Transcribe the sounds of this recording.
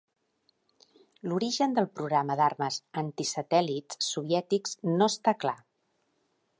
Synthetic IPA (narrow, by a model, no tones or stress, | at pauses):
luɾiʒənd̪əlˠpɾuɣɾaməd̪arməzənt̪isət̪ɛliːuβ̞jɛt̪ikznoəst̪akla